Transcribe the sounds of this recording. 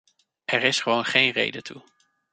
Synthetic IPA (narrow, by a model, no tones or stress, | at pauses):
ʔɛɹɪsχəʋownχejnrḛjdətʰu